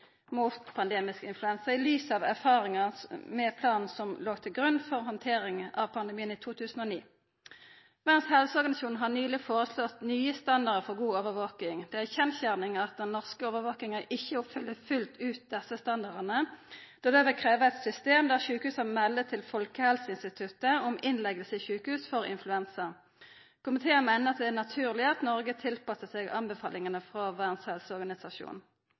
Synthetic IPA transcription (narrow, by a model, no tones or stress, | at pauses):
muːt̪pʰɑnd̪eːmɪskəɪnflʉɛnsəʁɪlyːsɑʋæʁfɑːʁɪŋɑmɛpʰlɑːnn̩sɔmloːɡt̪ʰɪlɡʁʉnːfɔʁhɔnt̪ʰeːʁɪŋʔɑʋpʰɑnd̪ɛmiːəniːt̪ʰuːt̪ʰʉːsn̩oːniː | mɛnshɛlsəɔʁɡɑnsjuːn̩ɦɑʁnyːlɪfoːʁəslɔt̪nyːəst̪ɑnd̪ɑʁd̪əfɔʁɡuːoːʋəʋoːkɪŋd̪ɛæçɛnçæʁnɪŋɑt̪̚d̪ɛnːɔʁskəoːʋəʋoːknɪŋəɪçːəɔpfʏlːəfʉlt̪ʉːt̪̚d̪ɛsəst̪ɑnd̪ɑʁd̪ənəd̪̥od̪eʋɪkʰʁeːʋəæt̪sʏst̪eːmd̪æʁçʉːkəhʉːsɑmɛlːət̪ʰɪlfɔlkəhɛlsəɪnst̪ɪt̪ʰʉt̪ːəɔmɪnlɛɡəlsɪçʉːkəhʉːsfɔʁɪ̰nflʉɛnsəʁ | kʰʊmɪt̪ʰeːəmæɪnəʁɑt̪̚d̪ɛænɑt̪ʰʉːʁlɪəɑt̪nɔʁɡət̪ʰɪlpɑsəsɛɡɑnbəfɑ̰ːlʔɪŋənəfʁɑʋæːʁnshɛlsəɔʁɡɑnɪsɑʃṵːnn